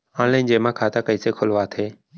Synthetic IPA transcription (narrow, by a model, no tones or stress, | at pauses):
ãːnlãɪnd͡ʒeːmãːkʰaːt̪ʰaːkəiːseːkʰʊlʋaːt̪ʰeː